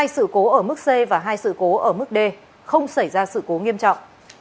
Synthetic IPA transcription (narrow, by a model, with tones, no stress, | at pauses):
a˧jsɨ̰˧˨ko˨˦ʔəː˧˩mɨ˦˥k̚se˧vaː˨˩ɦaː˧jsɨ̰˧˨ko˨˦ʔəː˧˩mɨ˦˥k̚ɗe˧ | xə˧wŋ͡msa˧˩jzaː˧sɨ̰˧˨ko˨˦ŋi˧əmt͡ɕɔ̰˧˨wŋ͡mʔ